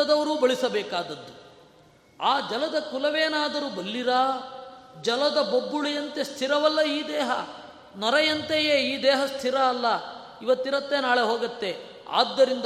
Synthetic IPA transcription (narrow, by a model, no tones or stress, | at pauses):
ɐd̪ɐʋɐɾuːbɐɭisɐbɛːkaːd̪ɐd̪ːu | aːd͡ʒɐlɐd̪ɐkulɐʋeːnaːd̪ɐɾubɐlːiɾɐ | d͡ʒɐlɐd̪ɐbobːuɭijɐnt̪e̞st̪ʰiɾɐʋɐlːɐiːd̪ɛːɦɐ | nɔɾɐjɐnt̪ejeːiːd̪ɛːɦɐst̪ʰiɾɐːlːɐ | iʋɐt̪ːiɾɐt̪ːe̞naːɭe̞ɦoːɡɐt̪ːe̞ | a̰ːd̪ːɐɾind̪